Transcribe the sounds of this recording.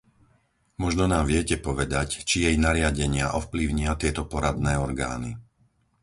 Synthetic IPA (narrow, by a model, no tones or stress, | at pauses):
mɔʒnɔnaːmʋɪɛcɛpɔʋɛd̪act͡ʃijɛjnaɾɪaɟɛɲɪaʔɔfpliʊɲiat̪ɪɛt̪ɔpɔɾad̪nɛːɔɾɡa̰ːni